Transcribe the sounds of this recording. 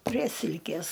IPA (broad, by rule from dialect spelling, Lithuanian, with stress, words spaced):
pʲrʲiɛ ˈsʲɪlʲkʲeːs